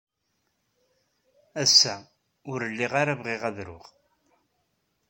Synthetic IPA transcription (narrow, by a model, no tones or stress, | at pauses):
æsːæ | ʊɾəlːiʁaɾavʁɪʁæðɾʊ̰ʁ